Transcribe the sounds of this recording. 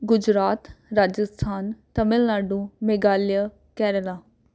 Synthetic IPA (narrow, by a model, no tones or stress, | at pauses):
ɡʊd͡ʒɾaːt̪ɾaːd͡ʒəst̪ʰaːnt̪əmɪlnaːɖũːmeɡaːlja | kɛːɾəlaː